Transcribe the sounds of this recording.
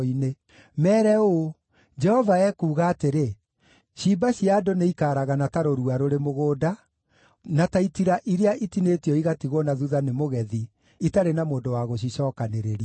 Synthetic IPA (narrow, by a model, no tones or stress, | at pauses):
ine | mɛːɾɛo | d͡ʒɛhɔvaɛkuːɣaːteɾe | ɕibaɕiadoneikaːɾaɣanataɾoɾuaɾoɾemoɣoːda | nataitiɾaʔiɾeaʔitinetiɔiɣatiɣɔnaðuðanemoɣɛði | itaɾenamoːndowaɣoɕ̬iɕɔːkaneɾeɾi